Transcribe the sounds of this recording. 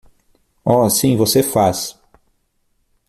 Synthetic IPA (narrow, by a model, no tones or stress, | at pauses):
ɔsĩvosefas